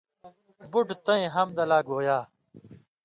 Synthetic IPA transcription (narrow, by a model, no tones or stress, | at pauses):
buʈt̪ɐẽɦɐmd̪ɐlaːɡoːjaː